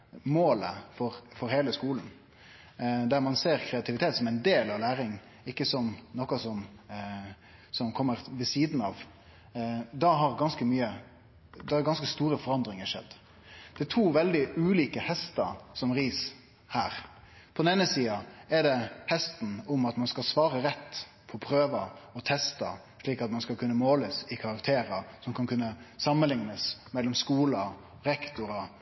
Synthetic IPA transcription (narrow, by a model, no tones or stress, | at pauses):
moːlə̰fɔɾfɔɾheːləskuːln̩ | d̪æɾmɑnseːɾkʰɾɛɑt̪ʰɪʋɪt̪ʰeːt̪sɔmæɪnd̪eːlɑʋlæːɾɪŋ | ɪkːəsɔmnɔkɑsɔm | sɔmkʰɔmːəɾʋəsiːd̪n̩ɑ̰ːʋ | d̪ɑɦɑɾɡɑnskəmyːə | d̪ɛæɡɑnskəst̪uːɾəfɔɾɑnd̪ɾɪŋəʂɛ̰d̪ː | d̪̥ɛɪt̪ʰuːʋɛld̪ɪʉːliːkəhɛst̪ɑ̰sɔmɾiːs | hæ̰ːɾ | pʰɔd̪neːnəsiːɑɛd̪ɛhɛst̪n̩ʊmɑt̪mɑnskɑlsʋɑːɾəɾɛt̪ː | pʰɔpʰɾøːʋɑɔt̪ʰɛst̪ɑ̰ | ʂɭiːkɑt̪mɑnskɑlkʉnːəmoːləsɪkʰɑɾɑkt̪ʰeːɾɑsɔmkʰɑnkʰʉnːəsɑmːənlɪŋnəsmɛlːɔmskuːlɑ | ɾɛkt̪ʊɾɑ